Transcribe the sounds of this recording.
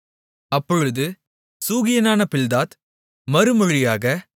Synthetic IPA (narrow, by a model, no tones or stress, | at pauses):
ɐpːɔɻɯðɯ | suːɣɪjɐnaːnɐpɪld̪aːt̪ | mɐɾɯmɔɻɪjaːɣɐ